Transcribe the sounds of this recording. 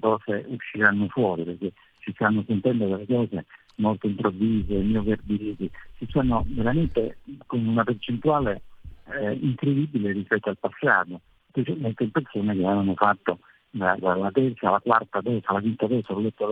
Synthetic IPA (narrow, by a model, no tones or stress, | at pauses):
k̪ɔːseuʃːiɾanːofwɔːɾiperk̟e | sist̪anːosent̪ɛnd̪od̪elːekɔːse | molt̪oimpɾovːiːzemioverd̪iɾiːt̪isisɔnːoveɾament̪ekonunapert͡ʃent̪uaːle | iŋkɾed̪ibːilerispɛt̪ːoalpasːa̰ːt̪o | spet͡ʃalment̪eimpersoːnek̟eananofat̪ːo | d̪ad̪alat̪ɛrt̪salakwart̪ad̪ɔːsalakwint̪ad̪ɔt̪saolɛt̪ːo